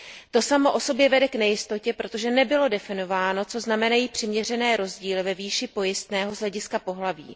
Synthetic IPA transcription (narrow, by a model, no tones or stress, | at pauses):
t̪o̞samo̞ʔo̞so̞bjɛvɛdɛknɛjɪst̪o̞cɛpɾo̞t̪o̞ʒɛnɛbɪlo̞dɛfɪno̞vaːno̞t͡so̞znamɛnajiːpr̝̥ɪmɲɛrɛnɛːɾo̞zɟiːlɪvɛviːʃɪpo̞jɪst̪nɛːɦo̞zɦlɛɟɪskapo̞ɦlavḭː